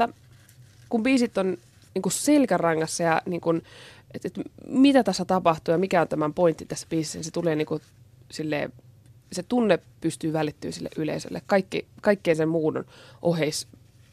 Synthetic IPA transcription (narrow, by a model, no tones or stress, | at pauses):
tːɑ | kumbiːsit̪ːon | niːŋkusselkærɑŋːɑsːɑjɑniːŋkunet̪et̪mit̪æt̪æsːæt̪ɑpɑht̪uːjɑmikæont̪æmæmpoint̪ːit̪æsːæ̥piːsisːæniset̪uleːniːŋku | silːḛː | set̪unːepyst̪yːʋælit̪ːy̰ːnsilːḛʔylḛisø̰lːḛkkɑikːḭkɑikːeiːnsemmuːdo̰nʔoheis